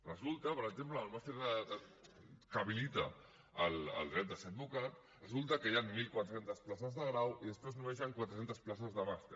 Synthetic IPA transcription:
rəzulˠt̪əpəɾəzempləːlmast̪eɾðəə | kəβilit̪ə | ələ̰lˠd̪ɾɛt̪̚d̪əsɛt̪̚bukat | rəzulˠt̪əkəjanmilˠkwat̪ɾəsent̪əsplasəzðəɣɾawiðəspɾeznueʒaŋkwat̪ɾəsent̪əsplasəzðəmast̪eɾ

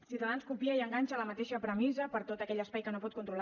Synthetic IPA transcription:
siut̪əðanskupiəiəŋɡaɲt͡ʃələmət̪eʃəpɾəmizəpəɾt̪ot̪əkɛʎəspajkənopɔt̪̚kunt̪ɾul

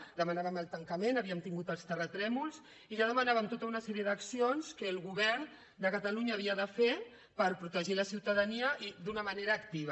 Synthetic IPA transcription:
d̪əmənaβəməlˠt̪əŋkəmenəβiəmt̪iŋɡut̪əlˠst̪ərət̪ɾɛmulˠz | iʒaðəmənaβəmt̪ot̪əunəsɛɾiəðəksionskəːlˠɣuβɛrn | d̪əkət̪aluɲaːβiəðəfe | pəɾpɾut̪əʒiləsiwt̪əðəniəʔid̪unəmɐneɾəːkt̪iβ̞ə

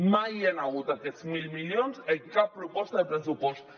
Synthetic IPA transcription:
majenaut̪ɐkesmilmiljõnsẽŋkapɾupɔst̪ɐðepɾesupɔst̪u

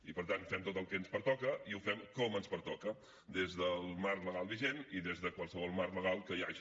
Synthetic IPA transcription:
ipəɾt̪anfɛmt̪ot̪əlˠkɛnspəɾt̪ɔkəiufɛmkɔmənspəɾt̪ɔkə | d̪ezðəlˠmarləɣalˠd̪iʒeniðezðəkwalˠsəβɔlˠmarləɣalˠkəja̰ʒi

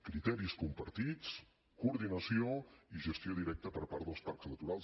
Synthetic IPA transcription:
kɾit̪ɛɾiskumpəɾt̪it͡s | kuːɾðinəsioiʒəst̪ioðiɾɛk̚t̪əpəɾpaɾd̪əlˠspaɾkznət̪uɾalˠz

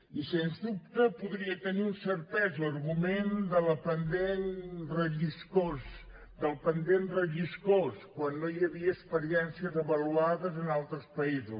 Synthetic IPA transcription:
isenzd̪up̚t̪əpuðɾiət̪əniunsəɾt̪ɛzuəɾɣumend̪ələpənd̪enrəʒiskos | d̪əlˠpənd̪enrəʒiskoskwanːojəβiəːspəɾiɛnsiəzəβəluaðəzənalˠt̪ɾəspəizus

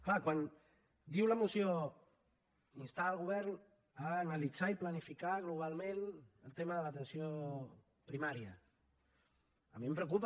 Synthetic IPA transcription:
klakwan | d̪iwlamusjo | inst̪aːlɣuβ̞ɛɾn | aːnalit͡saiplanifikaɣluβ̞almẽnəlt̪emaðəlat̪ensjo | pɾimaɾja | amĩmpɾewk̬up

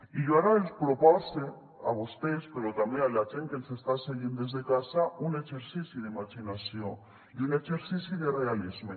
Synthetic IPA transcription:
iʝoaɾaelspɾopose | a̰βost̪espeɾot̪amjealat͡ʃenkelsest̪aseɣind̪ezðekasaunet͡ʃeɾsiθjuðemat͡ʃinasjoŋ | unet͡ʃeɾsisjuðerealizmo

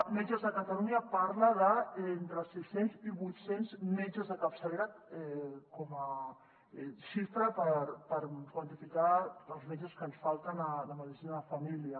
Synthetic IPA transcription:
med͡ʒəzðəkat̪aluɲəpaɾləðəent̪ɾəsisenziβujt̪senzmed͡ʒəzðəkapsəleɾat̪ɛkɔmə | ʃifɾəpəɾpəɾkwant̪ifikaəlˠzmed͡ʒəskənsfalˠt̪ənələməðisinəðəfamiliə

